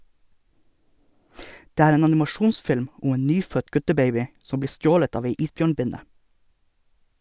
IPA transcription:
ˈdeː ˈæːɾ ˈeːn ɑnɪmɑˈʃuːnsfɪlm ˈʊm ˈeːn ˈnyːfœt ˈɡʉtəˌbeɪbɪ ˈsɔm ˈbliː ˈstjoːlət ˈɑːʋ ˈæɪ ˈiːsˌbjøːɳˌbɪnə

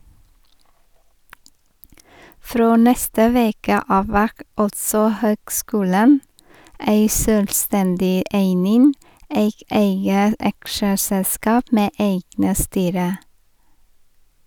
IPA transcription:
ˈfɾoː ˈnɛstə ˈʋeːkə ˈɑːʋ ˈʋæʁk ˈɑltsɔ ˈhøːɡˌskʉːlən ˈæɪ ˈsøːlˌstɛndɪ ˈʔeɪnɪn ˈeɪk ˈeɪɡə ˈɑkʃəsɛlˌskɑːp ˈmeː ˈeɪɡnə ˈstyːɾə

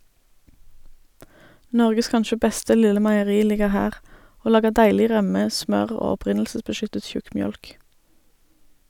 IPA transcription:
ˈnɔʁɡəs ˈkɑnʃə ˈbɛstə ˈlɪlə mæɪəˈʁiː ˈlɪɡəʁ ˈhæːʁ ˈoː ˈlɑːɡəʁ ˈdæɪlɪ ˈʁœmə ˈsmœʁ ˈoː ɔˈpʁɪnl̩səsbəˌʃʏtət ˈʃʉkmˌjœlk

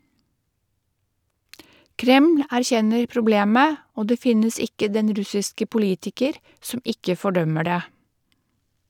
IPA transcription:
ˈkɾɛml̩ æɾˈçɛnəɾ pɾʊˈbleːmə ˈoː ˈdeː ˈfɪnəs ˈɪkə ˈdɛn ˈɾʉsɪskə pʊˈliːtɪkəɾ ˈsɔm ˈɪkə fɔˈɖœmə ˈɖeː

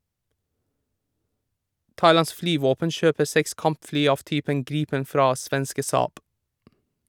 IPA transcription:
ˈtɑɪˌlɑns ˈflyːʋoːpən ˈʃøːpə ˈsɛks ˈkɑmpˌflyː ˈɑːʋ ˈtyːpəŋ ˈɡɾiːpən ˈfɾɑː ˈsʋɛnskə ˈsɑːb

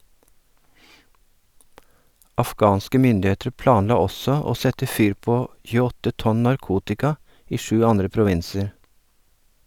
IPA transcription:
ɑfˈɡɑːnskə ˈmʏndɪˌeːtɾ ˈplɑːnˌlɑː ˈɔsɔ ˈoː ˈsɛtə ˈfyːɾ ˈpoː çʉːəˈɔtə ˈtɔn nɑɾˈkuːtɪkɑ ˈiː ˈʃʉː ˈɑndɾə pɾʊˈʋɪnsəɾ

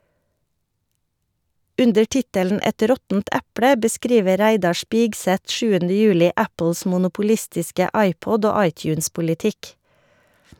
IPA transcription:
ˈʉndəɾ ˈtɪtəln̩ ˈɛt ˈɾɔtn̩t ˈæplə bəˈskɾiːʋə ˈɾæɪdɑ ˈʃpɪɡsɛt ˈʃʉːəndə ˈjʉːlɪ ˈæpl̩s mʊnʊpʊˈlɪstɪskə ˈɑɪˌpɔd ˈoː ˈɑɪˌtjʉːnspʊlɪˌtɪk

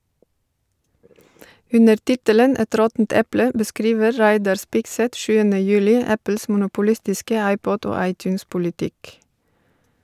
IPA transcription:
ˈʉnəɾ ˈtɪtələn ˈɛt ˈɾɔtn̩t ˈɛplə bəˈskɾiːʋə ˈɹæɪdɑɹ ˈspɪɡsɛt ˈʃʉːənə ˈjʉːlɪ ˈæpl̩s mʊnʊpʊˈlɪstɪskə ˈɑɪpɔd ˈoː ˈɑɪˌtjʉːnspʊlɪˌtɪk

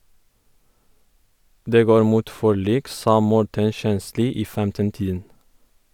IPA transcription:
ˈdeː ˈɡoːɾ ˈmuːt ˈfɔˌɭiːk ˈsɑː ˈmɔʈən ˈʃɛnˌsliː ˈiː ˈfɛmtənˌtiːdən

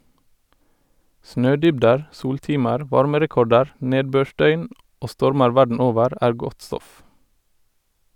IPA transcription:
ˈsnøːˌdʏbdəɹ ˈsuːlˌtiːməɾ ˈʋɑɹməɾɛˌkɔɖəɾ ˈneːdˌbøːˌʃdœʏn ˈʔoː ˈstɔɹməɹ ˈʋæɖɳ̩ ˈoːʋəɾ ˈʔæːɹ ˈɡɔt ˈstɔf

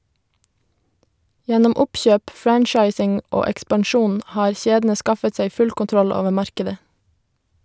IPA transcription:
ˈjɛnɔm ˈʊpçøːp ˈfɹænt͡ʃɑɪsɪŋ ˈoː ɛkspɑnˈʃuːn ˈʔhɑːɾ ˈçeːdn̩ə ˈskɑfət ˈsæɪ ˈfʉl kʊnˈtɾɔl ˈoːʋə ˈmɑɾkədə

